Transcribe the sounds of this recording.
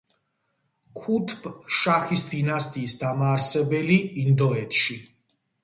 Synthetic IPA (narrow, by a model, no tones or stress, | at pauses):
kʰut̪ʰpʃaχisd̪inast̪ʼiːsd̪amaːɾsɛbɛliind̪ɔɛt̪ʰʃi